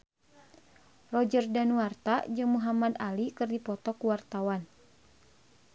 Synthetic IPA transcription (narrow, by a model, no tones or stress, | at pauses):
rɔd͡ʒərdanuart̪ad͡ʒɨŋmuɦamad̪alikɨrdipɔt̪ɔkuwart̪awan